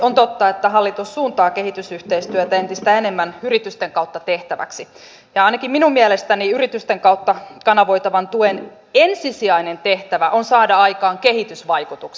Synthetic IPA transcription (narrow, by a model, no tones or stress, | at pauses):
ont̪ot̪ːɑet̪ːæɦɑlːit̪usːuːnt̪ɑːkehit̪ysyht̪eist̪yøt̪æent̪ist̪æenemːænyrit̪yst̪eŋkɑuwt̪ːɑt̪eht̪æʋæ̰ksi | jɑɑinɑkimminummiælest̪æniyrit̪yst̪eŋkɑut̪ːɑkɑnɑʋo̞it̪ɑʋɑnt̪uen | ensisiɑinent̪eht̪æʋæʔonsɑːdɑɑjkɑːŋkehit̪ysʋɑjkut̪uks